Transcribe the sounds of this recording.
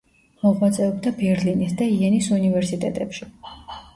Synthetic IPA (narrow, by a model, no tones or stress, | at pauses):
mɔʁwat̪sʼɛɔbd̪abɛɾlinisd̪aiɛnisunivɛɾsit̪ʼɛ̰t̪ʼɛpʃi